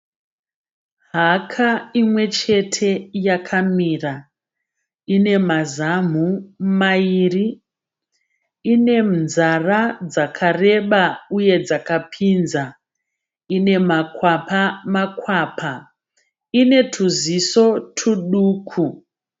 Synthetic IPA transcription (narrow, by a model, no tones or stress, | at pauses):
ɦakʰaimwe̞t͡ʃe̞tʰe̞jakʰamiːra | ine̞mazam̤umaiːri | ine̞mnzarad͡zakʰare̞ɓauje̞d͡zakapʰinza | ine̞makwapamakwaːpʰa | ine̞tʰuziso̞tʰuɗuːkʰu